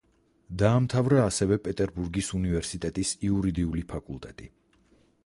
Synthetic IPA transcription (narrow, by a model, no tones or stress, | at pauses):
d̪aːmt̪ʰavɾaːsɛvɛpʼɛt̪ʼɛɾbuɾɡisunivɛɾsit̪ʼɛt̪ʼisiuɾid̪iulipʰakʼulˠt̪ʼɛt̪ʼi